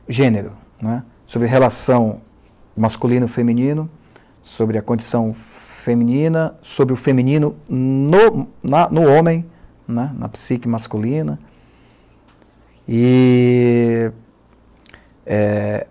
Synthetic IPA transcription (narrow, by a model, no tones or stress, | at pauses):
ʒẽneɾʊ | nɛ | sobɾɪɦelasɐ̃w̃ | maskulĩnʊfemĩnĩnʊ | sobɾɪɐkõd͡ʒisɐ̃w̃femĩnĩnɐsobɾɪʊfemĩnĩnʊnʊnɐnʊõmẽj̃ | nɛnɐ̰pi̥sikɐmaskulĩnɐ | ɪ | ɛ